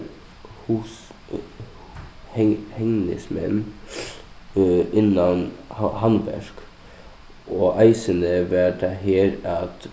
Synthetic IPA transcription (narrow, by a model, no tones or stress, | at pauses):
h | hhɛŋnə̰smɛ̰n | ʔɪnːɑnhɑnbæ̰ʃk | ʔoːʔæɪsənəʋæɖɛɦeːɾɑt̪